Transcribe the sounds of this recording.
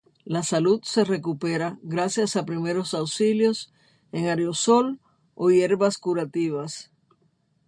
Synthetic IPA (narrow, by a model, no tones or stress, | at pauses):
lasalut̪se̞re̞kupe̞ɾaɣɾasjasapɾime̞ɾo̞sawsiljo̞s | e̞ŋaɾjo̞so̞l | o̞je̞ɾβaskuɾat̪iβ̞as